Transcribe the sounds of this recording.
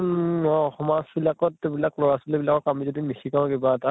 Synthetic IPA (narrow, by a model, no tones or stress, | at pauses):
ɔɔxɔmasbilakɔtːebilaklɔɹasulebilakɔkamizodimisikãʊ̃kebata